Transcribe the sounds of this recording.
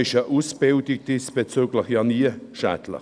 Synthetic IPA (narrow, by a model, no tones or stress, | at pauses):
ɪʃəʔusb̥ɪldɪk̚d̥isb̥et͡syːɡləχjɑniəʃæ̰ːtlə̰